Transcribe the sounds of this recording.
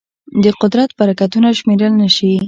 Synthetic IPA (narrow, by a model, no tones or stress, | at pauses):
d̪əqʊd̪ɾat̪̚baɾakat̪unaʃmeɾəlnəʃi